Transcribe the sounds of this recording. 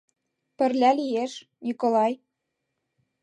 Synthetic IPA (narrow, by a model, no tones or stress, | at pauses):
pə̆rlʲælijeʃ | nʲikolɑj